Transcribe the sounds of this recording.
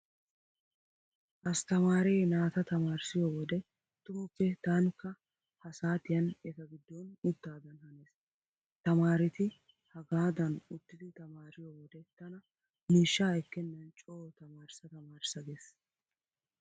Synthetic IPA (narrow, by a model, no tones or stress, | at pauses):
ʔɐst̪ɐmaːɾeːnaːt̪ɐt̪ɐmaːɾsɪjoːwɔd̪ɛ | t̪ʊmʊpːɛt̪aːŋkːɐ | hɐsaːt̪ɪjɐnɛt̪ɐɡɪd̪ːɔnʊt̪ːaːd̪ɐnhɐneːs | t̪ɐmaːɾɪt̪ɪ | hɐɡaːd̪ɐnʊt̪ːɪd̪ɪt̪ɐmaːɾɪjowɔd̪ɛt̪ɐnɐ | miːʃːaːɛkːɛnːɐnt͡ʃʼoːt̪ɐmaːɾsɐt̪ɐmaːɾsɐɡes